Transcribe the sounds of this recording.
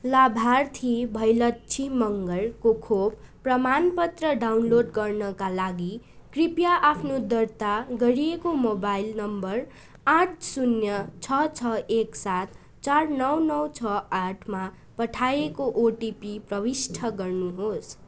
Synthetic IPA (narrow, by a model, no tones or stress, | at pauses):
labʱart̪ʰibʱʌjlʌt̪t͡sʰimʌŋɡʌɭkokʰobprʌmanpʌt̪rʌɖawnloɖɡʌrnʌkalaɡi | kripjaʔapʰnod̪ʌrt̪aɡʌɾiekomobajlnʌmbʌr | aʈ̚ʰsunjʌt͡sʰʌt͡sʰʌeksat̪ | t͡sarnʌwnʌwt͡sʰʌaʈʰma | pʌʈʰajekoʔoʈipiprʌwisʈʰʌɡʌrnuɦos